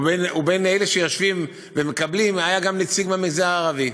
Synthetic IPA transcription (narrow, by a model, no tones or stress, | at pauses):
benubeneleʃejaʃvim | vemekablimajaɡamnit͡siɡbamiɡzaaːʁavi